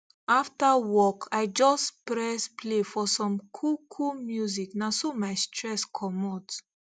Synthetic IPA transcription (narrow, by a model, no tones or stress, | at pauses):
aftawɔkʰajd͡ʒɔspɹɛspʰlefɔsɔ̃mkʰukʰumjuziknasomajstɹɛskʰɔmɔt